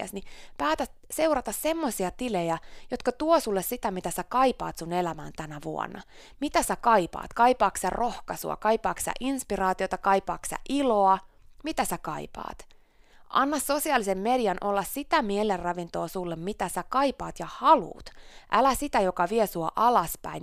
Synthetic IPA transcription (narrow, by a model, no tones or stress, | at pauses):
æ̰snipæːt̪æt̪ | se̞uwɾɑt̪ɑssemːosiɑt̪ilejæjot̪kɑt̪uosulːessit̪æmit̪æsækɑipɑ̰ːt̪sunelæmæ̰ːnt̪ænæʋuo̰nːɑ̰ | mit̪æsækɑjpɑ̰ːt̪kɑipɑːksærʔohkɑsṵɑ̰kɑipɑːksæ̰ʔinspiɾɑːt̪iot̪ɑkɑijpɑ̰ːksæ̰ʔiloɑ | mit̪æsækɑ̰ipɑ̰ːt̪ | ʔɑ̰nːɑsso̞siɑlisemːediɑnʔolːɑssit̪æmielerrɑʋint̪oːsulːemmit̪æsækɑjpɑːt̪jɑhɑlṵːt̪ʔælæsit̪æjokɑʋiesuo̰ʔɑlɑspæ̰in